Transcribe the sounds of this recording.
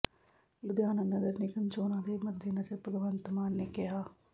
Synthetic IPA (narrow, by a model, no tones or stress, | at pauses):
lʊd̪jaːnənəɡəɾnekənt͡ʃoːnãːd̪eːməd̪ʱjenəd͡ʒəɾpəɡʋənt̪maːnːeːkɪɦaː